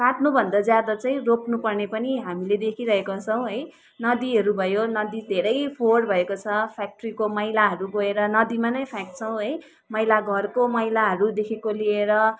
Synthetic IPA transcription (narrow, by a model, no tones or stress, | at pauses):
kaʈnubʱʌnd̪ʌd͡zjad̪ʌt͡sãĩroknupʌrnepʌniɦamiled̪ekʰiɾʌɦekot͡sʰʌw̃ɦʌj | nʌd̪iɦʌɾubʱʌjonʌd̪id̪ʱeɾʌjpʰorbʱʌekot͡sʰʌpʰak̚ʈrikomʌjlaɦʌɾuɡʌeɾʌnʌd̪imanʌjpʰak̚ʈt͡sʰʌw̃ɦʌj | mʌjlaɡʱʌrkomʌjlaɦʌɾud̪ekʰekolieɾʌ